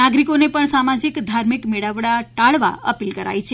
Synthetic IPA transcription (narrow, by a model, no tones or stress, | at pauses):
aɡɾikonepəɳsamad͡ʒikd̪ʱaɾmikmeɽaʋɽaʈaɭʋa̰ə̰pilkəɾa̰jt͡ʃʰe